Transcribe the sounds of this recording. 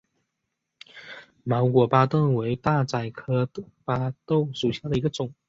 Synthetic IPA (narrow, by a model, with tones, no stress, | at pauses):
mɑ˧˥ʊkwɔ˨˩pa˥t̪ə˥˩ŋwe˧˥ɪt̪a˥˩t͡sa˨˩ɪkʰɤ˥pa˥t̪o˥˩ʊʂu˨˩ɕja˥˩d̪ə˩i˧˥ɡə˧ʈ͡ʂʊ˨˩˦ŋ